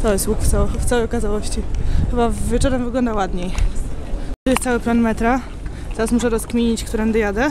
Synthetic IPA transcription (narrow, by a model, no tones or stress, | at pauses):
t̪ɔjɛst̪wukft̪sawft̪sawɛjɔkazawɔɕt͡ɕixɘbavʲjɛt͡ʂɔɾɛmvɘɡlɔnd̪awad̪ɲej | t̪ɔjɛst̪sawɘplanmɛt̪ɾa | t̪ɛɾasmuʂɛɾɔskmʲjeɲit͡ɕkt̪uɾɛnd̪ɛjad̪ɛ